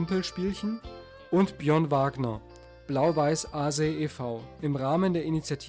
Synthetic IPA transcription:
mpl̩ʃpiːlçən | ʔʊntb̥jœɐnvaːɡnɐ | b̥laʊvaɪsʔaːzeːefaʊʔɪmʁaːməndeːɐinit͡sjatʰi

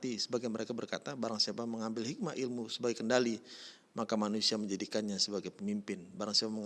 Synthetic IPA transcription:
t̪isəbaɡajməɾekabərkat̪abaɾaŋsiapaməŋambɪlɦik̚maʔilmusəbaɡajkəndali | makamanusiaməɲd͡ʒadikanɲasəbaɡajpəmimpɪnbaɾaŋsiapaməŋ

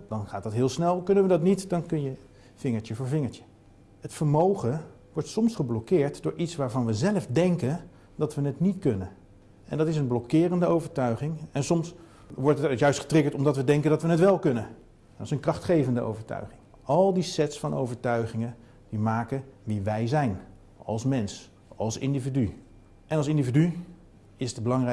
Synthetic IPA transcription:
d̥ɑnχaːt̚dɑtɦɪːlˠsnɛlˠkɵnənʋədɑtnitdɑnkɵnjə | v̥ɪŋəɹtəvʊːɹvɪŋəɹtjə | ɦətfəɹmowχə | ʋɔɹtsɔmsχəblɔkɪːɹtdʊːɹʔitsʋaːɹvɑnʋəzɛləfdɛŋkən | dɑtʋənətnitkɵnə | ɛ̰ndɑtɪs̬ənblɔkɪːrəndəowvəɹtœɥχɪŋɛnsɔms | ʋɔɹtətjœɥstχə̥trɪɡəɹtɔmdɑtʋədɛŋkəndɑtʋənətʋɛlˠkɵnən | ndɑtɪsənkrɑχtχejvəndəʔo̰wvəɹtœ̰ɥχɪŋ | ʔɑlˠdisɛtsfɑno̰wvəɹtœɥχɪŋən | d̥imaːkəʋiʋɛjzɛjn | ɑ̰lˠsmɛns | ɑlˠsɪ̰ndividy | ʔɛnɑlˠsɪndividy | ɪsdəbəlɑŋrɛ

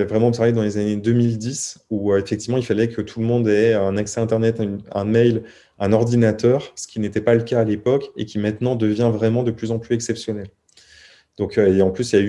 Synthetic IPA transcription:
avʁɛmɑ̃ɔbsɛʁved̪ɑ̃lezaned̪əmild̪isuøefɛk̚t̪ivmɑ̃ilfalɛkʰət̪ʰulmɔ̃d̪ɛɛ̃naksɛɛ̃t̪ɛʁnɛt̪aynɛ̰̃mɛjl | ɛ̃nɔʁd̪inat̪œːʁsə̥kʲinet̪ɛpaləkaːlepɔkḛkʲimɛ̃t̪nɑ̃d̪əvjɛ̃vʁɛmɑ̃d̪əplyzɑ̃plyɛksɛpsjɔnɛl | d̪̥ɔ̃køeɑ̃plysiljay

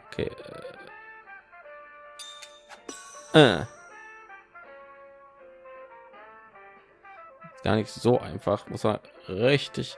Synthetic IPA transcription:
ʔokʰḛːʔə | ʔəː | ɛtɡ̥a̰ːɐnɪçtz̥oːʔaɪnfaχmʊ̰sma̰nʁɪçtɪç

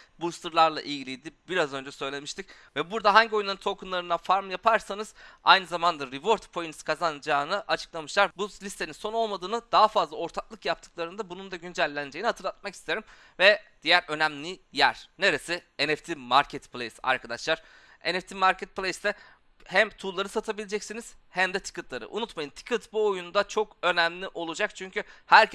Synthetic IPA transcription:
bust̪ɯɾlˠaɾlˠa̰ʔilɟilʲijd̪ibiɾazø̞nd͡ʒɛsø̞jlʲe̞miʃt̪ic̚ | vɛbuɾd̪aɦaɲɟiojnˠaɾɯnʰo̞kʰunlˠaɾɯnd̪anfaɾmjapʰaɾsanɯz̥ajnɯzamand̪aɾivo̞ɾt̪pʰo̞jinskʰazanɯd͡ʒaːɯnɯʔat͡ʃʰɯ̥klˠamɯʃlˠaɾbuslʲist̪ʰe̞ninso̞no̞lˠmad̪ɯːnɯd̪aɦafazlˠao̞ɾt̪ʰaklˠɯkjap̚t̪ʰɯ̥klˠaɾɯnd̪abunund̪aɟynd͡ʒælʲːænd͡ʒe̞jinihat̪ʰɯɾlˠat̪̚makist̪e̞ɾim | vɛd̪̥ijæɾø̞næmlʲijæɾne̞ɾesi | enɛft̪ʰimaɾcʰɛt̪plʲˠesa̰ɾkʰad̪aʃlˠaɾ̥ | enɛft̪ʰimaɾcʰɛt̪̚plʲejst̪ɛ | hæmt̪ʰulˠːaɾɯsat̪ʰabilʲed͡ʒɛcsiniz̥hæmd̪ɛt̪ʰi̥kɯt̪lˠaɾɯ̰ʔṵnut̪majɯnt̪ʰi̥kʰɯt̪buojund̪at͡ʃʰo̞kø̞næmlʲiʔo̞lˠud͡ʒak̚t͡ʃʰyɲcʰyhæɾ

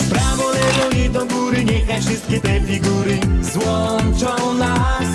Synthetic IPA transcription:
pɾavɔlɛzɔ̃w̃id̪ɔ̃w̃ɡuɾɨɲɛxajfʂɨst̪̚kʲɛt̪ɛfʲiɡuɾɨzwɔnt͡ʂɔw̃na

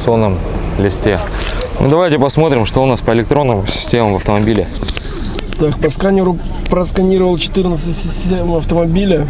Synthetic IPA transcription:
so̞nːəmlʲɪsʲtʲenṵd̪ɐvajtʲɪpɐsmo̞t̪ɾʲɪmʂt̪o̞ʊnaspəɪlʲɪk̚t̪ɾo̞nːəmʊsʲɪ̥sʲtʲe̞məmvɐft̪əmɐbʲilʲɪ | t̪ak̚pɐskanʲɪɾʊpɾəskɐnʲiɾəvəlˠt͡ɕɪ̥t̪ɨrnət̪sɨtʲsʲɪsʲtʲemɐft̪əmɐbʲilʲɪ

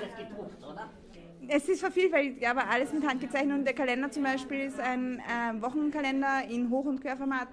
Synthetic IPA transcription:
ɛsɪtʊftoːdɐ | ɛsɪstfɛɐfiːlfɛltɪçaːbɐʔaləsmɪthant̚ɡ̥ət͡saɪçnəndeːɐkʰalɛndɐt͡sʊmbaɪʃpiːlɪstaɪnɛvɔχn̩kalɛndɐɪnɦoːxʊntkʰv̥eːɐfɔɐmaːtn̩

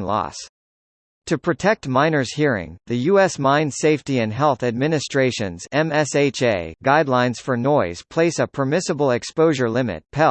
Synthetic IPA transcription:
ŋlɔ̰s | tʰɨpʰɹ̥ɨtʰɛk̚t̚mãɪ̃nə˞z̥hiɹɪ̰̃ŋðɨjuɛsmãɪ̃nd̥seɪftiɨ̃nɦɛlˠθɨd̚mɪ̃nɨstɹ̥eɪʃɨ̰̃nz̥ɛ̃mɛseɪt͡ʃeɪɡaɪdˡlãɪ̃nz̥fə˞nɔɪz̥pʰl̥eɪsɨpʰə˞mɪsəbl̩ˠɨkspoʊʒə˞lɪ̃mɨ̰t̚pʰɛ

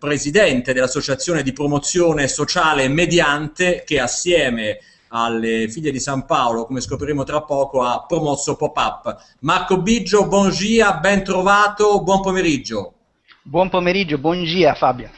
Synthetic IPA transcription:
pɾezid̪ɛnt̪ed̪elːasːot͡ʃat̪sːjoːned̪ipɾomot̪sːjoːnesot͡ʃaːlemed̪jant̪ek̟easːjɛːme | alːefiʎːed̪isampaolokomeskopɾiɾeːmot̪ɾapːɔːkoapːɾomɔsːopɔpapː | markobid͡ʒːobwɔnd͡ʒiːabɛnt̪ɾovaːt̪obwɔmpomeɾid͡ʒːo | bwɔmpomeɾid͡ʒːobwɔnd͡ʒiːafabja

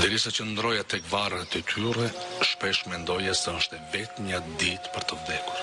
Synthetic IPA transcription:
d̪ɛɾisat͡ʃənd̪ɾɔjat̪ɛɡvarat̪ɛt̪ʰyɾɛʃpɛʃmɛnd̪ɔjasɛəʃt̪ɛvɛt̪mat̪d̪it̪pəɾt̪əvd̪ɛkuɾ

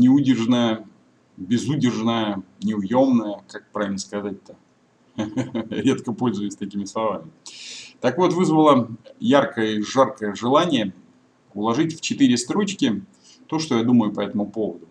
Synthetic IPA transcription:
nʲɪudʲɪrʐnəjə | bʲɪzudʲɪrʐnəjənʲɪʊjo̞mnəjəkak̚pɾavʲɪlʲnəskɐzat̚ʲt̪a | ɾʲe̞t̪kəpo̞lʲzʊjɪsʲt̪ɐkʲimʲɪslˠɐvamʲɪt̪akvo̞t̪vɨzvəlˠəjarkəjəiʐarkəjəʐɨlˠanʲɪjə | ʊlˠɐʐɨtʲft͡ɕɪt̪ɨɾʲɪst̪ɾo̞t͡ɕkʲɪ | t̪o̞ʂt̪ojad̪uməjʊpɐɛt̪əmʊpovəd̪ʊ

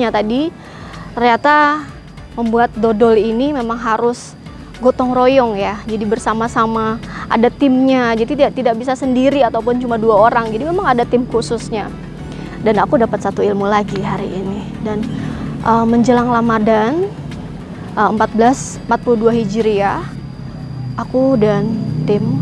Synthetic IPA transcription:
ɲat̪adi | reat̪a | məmbuat̪̚dodɔlinimemaŋɦaɾʊs | ɡot̪ɔŋrojɔŋjad͡ʒadibərsamasamaʔa̰dat̪ɪmɲad͡ʒadit̪iaʔt̪idak̚bisasəndiɾiat̪awp̬ʊnt͡ʃumaduaoɾaŋd͡ʒadimemaŋadat̪ɪmkusʊsɲa | danakudapat̪sat̪uilmulaɡiɦaɾiʔini | danʔəːəɲd͡ʒəlaŋlamadan | ʔəəmpat̪̚bəlasəmpat̪̚puluduaɦid͡ʒɾia | ʔakudant̪ɪm

